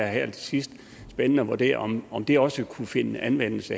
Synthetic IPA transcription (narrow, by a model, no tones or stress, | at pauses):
æɦæɐ̰d̥ʰsisd̥ | sb̥enənəɒʋuɐd̥e̝̰ːɐ̰ɒ̽mɒ̽md̥e̝ɒ̽səkʰufe̝nəænʋen̰l̩sə